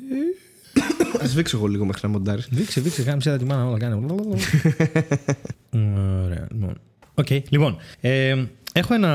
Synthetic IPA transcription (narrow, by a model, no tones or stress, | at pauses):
ɐzviksoɣoliɣo̞mexɾinɐmo̞nd̪ɐɾisvikseviksekɐmisiðɐt̪imɐnɐolɐkɐneml | oɾe̞̰ɐ̰lipo̰n | oce̞jlipo̞nee̞xoe̞nɐ